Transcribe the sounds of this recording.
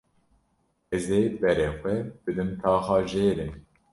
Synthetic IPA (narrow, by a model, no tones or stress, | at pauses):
ɛzeːbɛɾɛxʷɛb̥ɨd̪ɨmt̪ʰɑːxɑːʒeːɾɨn